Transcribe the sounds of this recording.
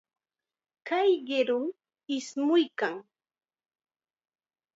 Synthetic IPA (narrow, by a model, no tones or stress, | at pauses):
kajɢɪɾʊm | ɪsmʊjkaŋ